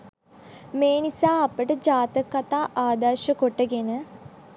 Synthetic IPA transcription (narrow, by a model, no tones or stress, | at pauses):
meːnisaːɐpəʈəd͡ʒaːt̪əkːɐt̪aːʔaːd̪aɾʃəkoʈːəɡenə